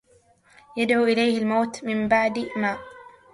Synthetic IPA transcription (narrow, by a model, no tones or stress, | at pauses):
jad̪ʕuːʔɪlajhɪlmawːt̪mɪmbaʕd̪maːʔ